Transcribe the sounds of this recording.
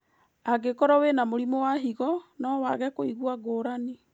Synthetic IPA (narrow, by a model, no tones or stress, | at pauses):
aɡekɔɾɔwenamoɾimowaɦiɣɔnɔwaɣɛkoiɣuaɡoːɾani